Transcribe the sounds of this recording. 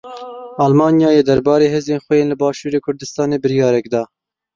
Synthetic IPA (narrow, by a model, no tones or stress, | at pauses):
ʔɑːlmɑːnjɑːjeːd̪ɛɾbɑːɾeːɦeːzeːnxwɛjeːnlɨbɑːʃuːɾeːkʰʊɾd̪ɨst̪ɑːneːbɨɾijɑːɾɛkd̪ɑː